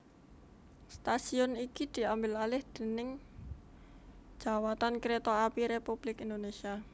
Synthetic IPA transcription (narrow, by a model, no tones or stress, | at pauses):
st̪asiɔnikid̪̥i̤ambɪlalɪhd̪̥e̤nɪŋ | d͡ʒ̥a̤wat̪ankɾet̪ɔapiɾepub̥lɪkind̪onesia